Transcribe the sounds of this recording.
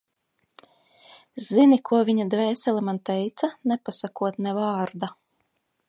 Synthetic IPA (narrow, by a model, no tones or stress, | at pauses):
zinikʰuɔvʲiɲad̪vɛːsɛlˠamant̪ɛjt̪sanɛpasakuɔt̪nɛvaːɾd̪a